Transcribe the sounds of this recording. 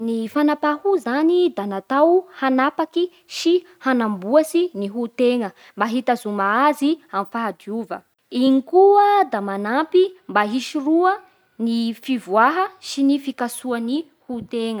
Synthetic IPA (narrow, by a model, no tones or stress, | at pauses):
nifanapahuzanid̪anat̪awhanapaki | ʃi | hanambuasiniɦut̪eŋə | mbaɦit̪azumaaziamfaɦadiuvə̰ | iŋikuəd̪amanapimbaɦiʃiruə | nifivwaɦəʃinifikasuani | hut̪eŋə